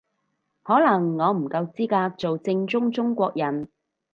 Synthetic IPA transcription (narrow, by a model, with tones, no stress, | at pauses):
hɔː˨˥lɐ˨˩ŋːɔː˨˧m̩˨˩kɐ˧wt͡siː˥kaː˧k̚t͡so˨wt͡sɪ˧ŋt͡sʊ˥ŋt͡sʊ˥ŋkʷɔː˧k̚jɐ˨˩n